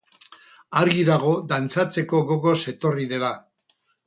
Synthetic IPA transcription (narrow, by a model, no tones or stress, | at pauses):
aɾɣiðaɣ̞o̞d̪ant͡sat͡se̞ko̞ɣoɣo̞se̞t̪o̞riðe̞la